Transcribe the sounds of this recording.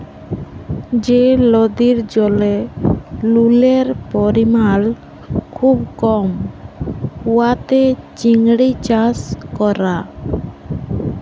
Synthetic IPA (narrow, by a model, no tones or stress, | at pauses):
d͡ʒelɔd̪iɾd͡ʒɔle | luleɾpɔɾimal | kʰubkɔm | huwat̪et͡ʃiŋɽit͡ʃaskɔɾa